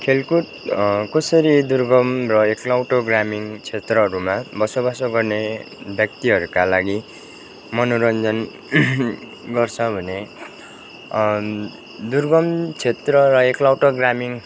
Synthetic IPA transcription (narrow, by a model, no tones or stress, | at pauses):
kʰelkut̪ | kʌsʌɾid̪urɡʌmrʌeklawʈoɡramiŋt͡sʰet̪rʌɦʌɾumabʌsobasoɡʌrne | bjʌk̚t̪iɦʌɾukalaɡi | mʌnoɾʌnd͡zʌn | ɡʌrt͡sʰʌbʱʌne | d̪urɡʌmt͡sʰet̪rʌɾʌeklawʈoɡramiŋ